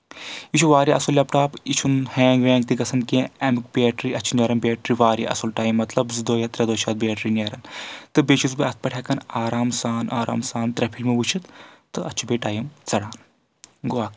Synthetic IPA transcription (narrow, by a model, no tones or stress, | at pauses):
it͡ʃʰuʋaːɾiʔɐsulːʲeːp̚ʈaːpit͡ʃʰunhɛːŋɡʋẽːŋɡ̚t̪ikɐsʰɐnkẽɐmɨk̚bieːʈɾiɐt͡ʃʰinɐɾɐnbʲeːʈɾiʋaːɾḭʔɐ̰sulʈaːjimːɐt̪lɐbzɨd̪oːjɐt̪ɾɐd̪oːʃaːt̪̚bʲeːʈɾinʲɐɾɐnt̪ɨbet͡ʃʰuzbeɐt̪̚ʰpɐʈʰʲekɐnaːɾaːmsaːnʔa̰ːɾa̰ːmsaːnt̪ɾɐpʰilmeʋut͡ʃʰit̪t̪ɨɐt͡ʃʰibeːʈaːjimt͡sɐɽaːn | ɡoaːk